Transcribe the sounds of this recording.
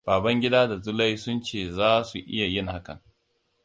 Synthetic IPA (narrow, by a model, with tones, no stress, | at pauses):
b̥aː˨bɐ˦ŋɡʲɪ˦daː˦da˨zʊ˦la˦jsʊ˦nt͡ʃeː˦˨zaː˦su˨ʔɪ̰˦ja˨jɪ˦˨ŋha˦kɐ̰˨ŋ